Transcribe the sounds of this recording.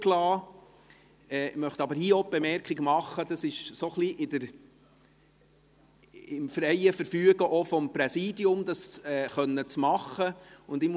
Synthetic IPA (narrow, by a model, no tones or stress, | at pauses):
klɑː | ɛːmœχt̪ɑbəɾhiːɔb̥emɛɾkχiɡəmɑχːəd̪ɑsɪʃsoχliʔɪd̪əɾ | ɪmfɾɛjəfəɾfyːəɡəʔɔfɔmpɾɛsiːdiʊmd̪ɑsɛːχœnːət͡smɑχːəʊnd̪ɪm